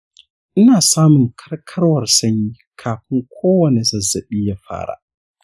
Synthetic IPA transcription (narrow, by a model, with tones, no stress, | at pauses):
ʔɪ˦naː˨saː˦mʊ˨ŋkʰɐ˦rkʰɐ˦ɽwɐ˨rsɐ˦ɲjiː˦kʰaː˨ɸɪ˦ŋkʷʰoː˦wɐ˨ne˨zɐ˨zːɐ˨ɓiː˦ja˨˦ɸa̰ː˦ɽa̰ː˨